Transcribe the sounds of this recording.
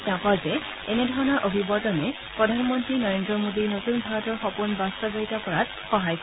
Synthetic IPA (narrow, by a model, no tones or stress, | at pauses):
takazɛ | ɛnɛdʱɔɹɔnɔɹʔobʱibɔtɔnɛ | pɹɔdʱanmɔntɹinɔɹendɹɔmodiɹnotunbʱaɹɔtɔɹxɔpunbastɔbɔɹitakɔɹat̚ | xɔɦajk